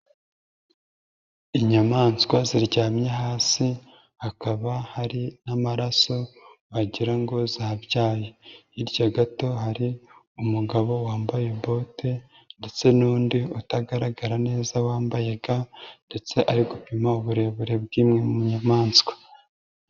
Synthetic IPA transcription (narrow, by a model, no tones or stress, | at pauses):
iɲamaːnskwaziɾɟaːmɲeɦaːsi | hakaβahaɾinamaɾaso̞waɟiɾaŋɡo̞zaːβjaːjeiɾɟaɡato̞ɦaɾi | umuɡaβo̞waːmbaje̞bo̞ːte | nde̞t͡se̞nuːndiutaɡaɾaɡaɾane̞ːzawaːmbaje̞ɡande̞t͡se̞ʔaɾiɡupimauβuɾe̞βuɾe̞b̚ɡiːmŋe̞mumuɲamaːnskwḁ